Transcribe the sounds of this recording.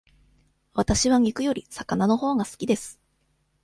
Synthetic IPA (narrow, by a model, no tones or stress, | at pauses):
βat̪aɕiβaŋʲikɯ̟jo̞ɾʲisḁkanano̞ho̞ːɡasɨ̥kʲid̪e̞sɨ̥